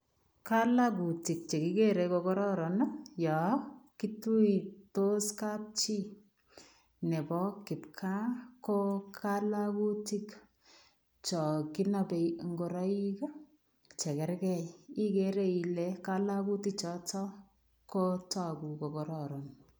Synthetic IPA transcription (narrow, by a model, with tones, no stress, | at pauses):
ka˦la˦ku˨ti˨k̚t͡ʃe˨ki˦ke˦ɾe˧ko˧kɔ˦ɾɔ˦ɾɔ˨njɔ˨ki˦tu˦i˨to˦ska˦p̚t͡ʃi˦ | ne˨bɔ˦kɪ˨pkʰa˦ko˦kʰa˦la˦ku˦ti˦k | t͡ʃɔ˨ki˦na˨be˨ŋɡo˨ɾɔ˦i˦ka˦ | t͡ʃɛ˨kɛ˦ɾkɛ˨ji˦keɾe˦i˨lɛka˦la˦ku˦tik̚t͡ʃɔ˦tɔ˦ | ko˦ta˦ku˨ko˨kɔ˨ɾɔɾɔ˨n